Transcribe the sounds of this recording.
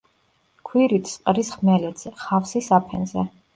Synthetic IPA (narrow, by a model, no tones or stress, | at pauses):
kʰwiɾit̪ʰsʼqʼɾisχmɛlɛd̪z̥ɛχafsisapʰɛnzɛ̰